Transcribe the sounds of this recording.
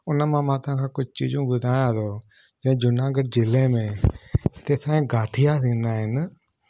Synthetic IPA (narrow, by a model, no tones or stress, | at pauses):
ʊnãːmãːmãːt̪ãkʰãːkʊd͡ʒt͡ʃḭːd͡ʒũːbʊd̪ʱaːjãːd̪oː | d͡ʒɛ̃d͡ʒʊnãːɡəʈ̚d͡ʒɪlẽːmẽːt̪eːsãːẽːɡaːʈʰɪjasĩːnd̪aːɦɪn